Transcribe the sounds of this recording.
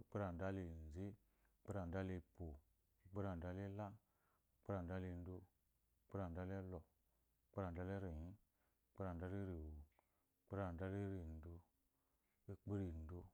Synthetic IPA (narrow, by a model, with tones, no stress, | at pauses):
k͡pi˦ɾa˨n̩˨da˦li˨n˨ze˦ | k͡pe˦ɾa˨n̩˨da˦li˧po˨˦˨ | k͡pi˦ɾa˨n˨da˦li˦la˦ | k͡pe˦ɾa˨n˨da˦li˧n˦do˧˦ | k͡pɾa˨n˨da˦le˦lɔ˨˦ | k͡pe˦ɾa˨n˨da˦le˦ɾi˨jĩ˦ | k͡pe˦ɾa˨n˨da˦li˦ɾi˨wo˨˦ | k͡pɾa˨n˨da˦li˦ɾi˨n̩˨do˧ | i˦k͡pi˦ɾi˨n̩˨do˧